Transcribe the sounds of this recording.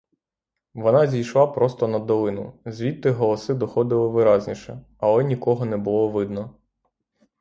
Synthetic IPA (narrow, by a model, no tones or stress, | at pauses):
ʋɔnɑzʲijʃlˠɑpɾɔst̪ɔnɐd̪ɔlˠɪnʊ̰zʲʋʲit̪ːɪɦɔlˠɔsɪd̪ɔxɔd̪ɪlˠɪʋɪɾɑzʲnʲiʃɛ̰ | ɐlˠɛnʲikɔɦɔnɛbʊlˠɔʋɪd̪nɔ